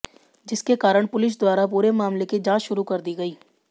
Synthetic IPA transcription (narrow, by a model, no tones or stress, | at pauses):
d͡ʒɪskekaːɾəɽ̃pʊlɪʃ̬d̪waːɾapuːɾemaːmleked͡ʒãːt͡ʃʃʊɾukɐɾd̪iɡɐiː